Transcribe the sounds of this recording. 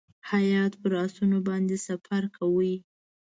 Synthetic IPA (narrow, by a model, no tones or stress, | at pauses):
hajɑt̪pəɾɑsunobɑnd̪esafaɾkʰawə